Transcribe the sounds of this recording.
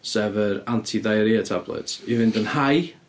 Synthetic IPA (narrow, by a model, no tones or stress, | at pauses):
sɛvəɾantʰiðajəɾiatʰablˠɛ̰tʰivɪndənhaj